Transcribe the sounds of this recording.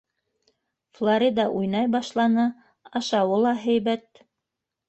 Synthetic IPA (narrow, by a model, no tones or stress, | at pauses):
flˠoɾʲid̪ɑʔujnɑjbɑʃlˠɑnɤ | ɑʃɑwɤlˠɑɦæjbæt̪